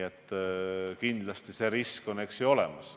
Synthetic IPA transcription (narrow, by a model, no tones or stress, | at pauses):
et̪ˑː | kind̪lɑst̪ise̞ɾisko̞ne̞ksio̞le̞̰mɑs